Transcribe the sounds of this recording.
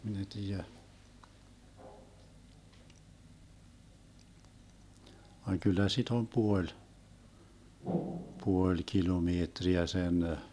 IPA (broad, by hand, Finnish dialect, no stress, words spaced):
min e tiːjæ ʋɑŋ kylːæ sit om puolʲ puolʲ kilomeːtriæ sen